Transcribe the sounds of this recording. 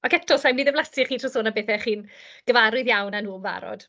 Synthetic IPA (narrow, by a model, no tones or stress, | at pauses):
akɛk̚tʰɔsajmnidɛvlasiχiːtʰrɔsoːnabeːθɛχiːn | ɡ̥əvaɾʊðjawnanuːmva̰ɾɔ̰d̥